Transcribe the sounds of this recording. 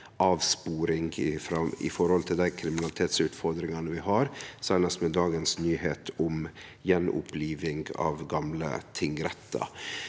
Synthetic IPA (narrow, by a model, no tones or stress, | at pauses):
ʔɑːʋspuːɾɪŋfɾɑɪ̰fɔɾhɔlt̪ʰɪld̪æɪkʰɾɪmɪnɑlɪt̪ʰeːt̪sʉːt̪fɔɾd̪ɾɪŋɑnəʋɪɦɑɾsæɪnɑst̪mɛd̪ɑːɡənsnyːheːt̪ʰʊm | jɛnʊ̰pʰliːʋɪŋɡɑ̰ʋɡɑmlə̰t̪ʰɪŋɾɛt̪ːə̰